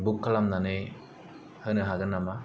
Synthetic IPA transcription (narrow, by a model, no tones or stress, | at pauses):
bukʰːalamnanɯj | hɯnɯɦaɡɯnːama